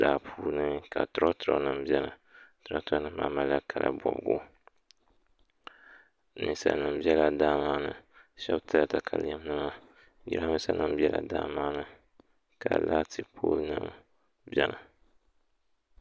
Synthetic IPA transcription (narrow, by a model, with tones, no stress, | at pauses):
d̥aː˨pʰuː˦nɨ˦ka˨tʊ˦ɾɔ˦tʊ˨ɾɔ˦nɨ˦mbi˦ɛ˦la˨ | tʊ˦ɾɔ˦tʊ˦ɾɔ˦nɨ˦mma˨˦ma˨˦la˦kʰa˨lʔa̰˦bɔ˨bɡo̰˦ | nɨ˨sa̰˨nɨ˦mbi˦ɛ˦la˨daː˦maː˦nɨ˨ʃɛ˦btɨ˦la˨ta˨kʰa˨ljɛ˦m˦nɨ˦ma˦ | ɡḭ˦ɾa˦mɨ˦sa˦nɨ˦mbɛ˦la˨daː˦maː˦nɨ˦ | ka˨la˦tʰɨ˦pʰoː˦lnɨ˦m | bɛ˦na˨